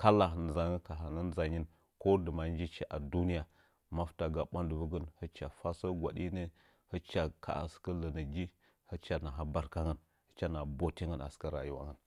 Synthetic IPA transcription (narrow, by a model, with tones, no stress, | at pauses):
ka˦la˨n˨za˨ŋə˦ka˨ɦa˨nə˦n˦za˨ɲi˦n | ko˦də˨ma˨n˦d͡ʒi˦t͡ʃi˦ʔa˨du˦ni˦ja˨ | ma˦fta˨ɡa˨ɓa˦ndə˨bə˦ɡə˦nhə˦t͡ʃa˨fa˦sə˦ɡʷa̰˨ɗi˦nə˦ | hə˦t͡ʃa˨kʰa̰˦˨a̰˨skə˦lə˨nə˨d͡ʒi˦ | hə˦t͡ʃa˨na˨ɦa˦ba˨ɾka˦ŋə˨n | hə̥˦t͡ʃa˦na˨bo˦ti˦ŋə˦na̰˨ska˦ɾa̰˨ju˦wa̰˦ŋə˦˨n